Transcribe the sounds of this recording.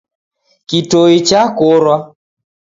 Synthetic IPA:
kitoit͡ʃakoɾwa

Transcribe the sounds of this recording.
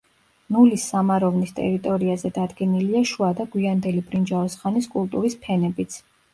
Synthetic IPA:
nulisːamaɾɔvnist̪ʼɛ̰ɾit̪ʼɔɾiazɛd̪ad̪ɡɛniliaʃuad̪aɡwiand̪ɛlibɾind͡ʒaɔsχaniskʼulˠt̪ʼuɾispʰɛnɛbit̪sʰ

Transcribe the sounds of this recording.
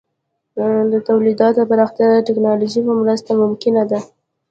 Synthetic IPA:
d̪ət̪awlid̪ɑt̪paɾɑxt̪jad̪əʈɪknɑluʒipəmɾəst̪amʊmkɪnad̪a

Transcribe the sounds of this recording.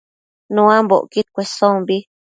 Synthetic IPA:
nũãmbo̰ʔkit̪̚kʷesõmbi

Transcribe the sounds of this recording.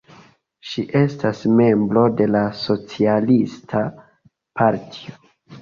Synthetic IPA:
ʃiʔe̞stasme̞mbɾo̞de̞laso̞t͡sialistʰa | paɾtʰi̥o

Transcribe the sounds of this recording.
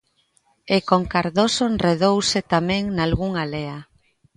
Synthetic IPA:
ekoŋkaɾðosonreðowsɪt̪amɛ̃ŋnalɣuŋalea

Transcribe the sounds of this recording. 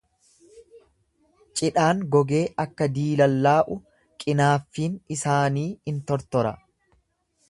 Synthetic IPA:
t͡ʃʼɪᶑaːŋɡɔɡe̞ːʔɐkːɐd̪iːlɐlːaːʔʊ | kʼɪnaːfːiːnɪsaːniːɪnt̪ɔɾt̪ɔɾɐ

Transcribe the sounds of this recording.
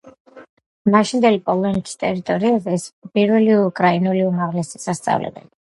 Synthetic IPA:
maʃind̪ɛlipʼɔlˠɔnik̪ʰʼi̥st̪ʼɛɾit̪ʼɔɾiazɛːspʼiɾvɛliukʼɾainuliumaʁlɛsi̥sast̪sʼa̰vlɛ̰bɛ̰li

